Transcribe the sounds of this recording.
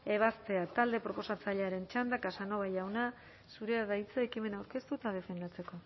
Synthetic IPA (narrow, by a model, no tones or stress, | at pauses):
e̞β̞ast̪e̞at̪ald̪e̞pɾo̞po̞sat͡saʎeaɾe̞nt͡ʃand̪akasano̞βajawna | suɾe̞aðajt͡saekime̞nawɾke̞st̪ut̪að̞e̞fe̞nd̪at͡se̞ko̞